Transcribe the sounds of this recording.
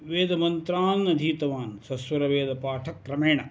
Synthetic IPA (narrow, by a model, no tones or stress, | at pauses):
ʋeːd̪ɐmɐnt̪ɾaːnɐd̪ʱiːt̪ɐʋaːnsɐsʋɐɾɐʋeːd̪ɐpaːʈʰɐkːɾɐmeːɳɐ